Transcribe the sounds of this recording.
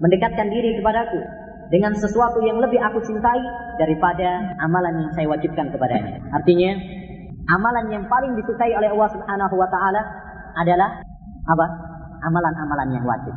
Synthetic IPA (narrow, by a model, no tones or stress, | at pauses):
məndəkat̪̚kandiɾikəpadaku | dəŋansəsuat̪ujaŋləbɪɦakut͡ʃint̪aidaɾipadaamalanjaŋsajawad͡ʒɪp̚kankəpada̰ɲa̰art̪iɲa | ʔamalanjaŋpalɪŋdisukaiolɛhɑlːɑhsubhanaɦuwat̪aʔalaː | dalah | ʔapa | ʔamalanamalanjaŋwa̰t̪ɪp̚